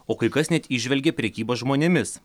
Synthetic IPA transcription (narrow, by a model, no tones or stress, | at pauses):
oːkɐɪkɐsnʲɛt̪ʲiʒʲʋʲɛlʲɡʲɛpʲɾʲɛkʲiːboːsʒmoːnʲemʲɪs